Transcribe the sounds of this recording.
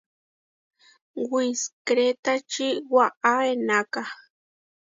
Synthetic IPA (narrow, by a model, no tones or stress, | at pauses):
wiskɾet̪at͡ʃiwaʔaenaka